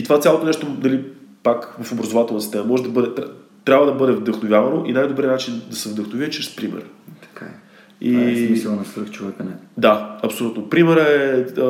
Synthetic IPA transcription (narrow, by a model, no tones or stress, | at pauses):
it̪ovat̪sʲalˠot̪onɛʃt̪onɐlipakvɐfobɾɐzovat̪ɛlˠnsist̪ɛnɐmɔʒɛd̪ɐbɤd̪ɛt̪t̪ɾʲabvəd̪ɐbɤd̪ɛvd̪əxnovʲjavɐnoʔinajd̪obɾinat͡ʃind̪ɐsɛvd̪əxnʊviət͡ʃɾɛspɾimɛ̰ɾt̪ɐ̥kʰa̰ɛ | imislˠnɐst̪ɾəxt͡ʃovɛkənɛd̪aɐpsolut̪nopɾimɛɾɛ